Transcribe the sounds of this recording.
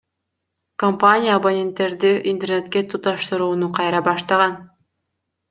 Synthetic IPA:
kompanʲijaːbonʲe̞nt̪ːe̞ɾd̪iʔint̪e̞rnet̪kʲet̪ʰut̪ɑʃt̪ɯɾuːnuqʰɑjɾɑbɑʃt̪ɑʁɑn

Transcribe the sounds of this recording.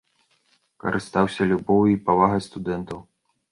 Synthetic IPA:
kɐ̰ɾʔɨst̪awsʲɐlʲubɔwipavaɣɐst̪ud̪ɛnt̪ɐw

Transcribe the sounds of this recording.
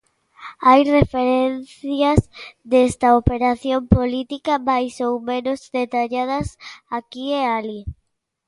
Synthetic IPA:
ajrefeɾen̟θjɐzd̪est̪ɐopeɾaθjompolit̪ikɐmajsowmẽnozd̪et̪aʎað̞ɐsakieali

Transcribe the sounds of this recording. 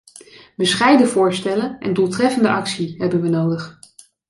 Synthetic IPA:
bəsχɛjdəvʊːɹstɛlənʔɛ̰ndulˠtrɛfəndəʔɑksiɦɛbənʋənowdəχ

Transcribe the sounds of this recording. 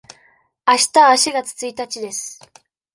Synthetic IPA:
aɕi̥t̪aaːɕiɡat͡sɨ̥t͡sɨit̪at͡ɕid̪e̞sɨ̥

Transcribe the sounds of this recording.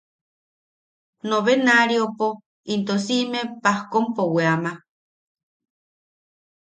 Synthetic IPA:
nõβenaɾiopo | int̪osimẽpahkompoweama

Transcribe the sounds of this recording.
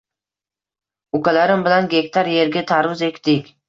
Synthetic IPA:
ʊkʲalaɾɪmbɪlanɡʲe̞kʲt̪aɾje̞ɾɡʲat̪ʰaɾvʊze̞kʲt̪ɪkʲ

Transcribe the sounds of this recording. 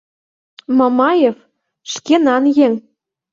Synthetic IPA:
mɑmɑjef | ʃkenɑnjeŋ

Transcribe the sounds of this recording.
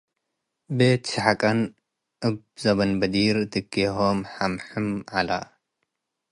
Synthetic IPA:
bet̪ʃɨħakʼɐn | ʔɨb | zɐβɐnbɐd̪iɾd̪ɨɡeɦomħamħɨmʕala

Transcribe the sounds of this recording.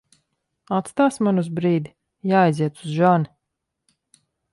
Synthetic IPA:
at̪st̪aːsmanuzbɾiːd̪i | jaːjziɛt̪suzʒani

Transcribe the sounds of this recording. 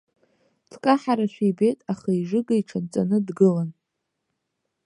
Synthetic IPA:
tʰkʼaħaɾaʃʷᶣibejtʼaχaiʐɨɡaiʈ͡ʂʰant͡sʼanɨdɡɨlan

